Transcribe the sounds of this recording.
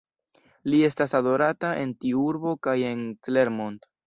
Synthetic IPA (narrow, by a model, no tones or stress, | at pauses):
lie̞stasado̞ɾataʔe̞ntiuɾbo̞kaje̞ntle̞ɾmont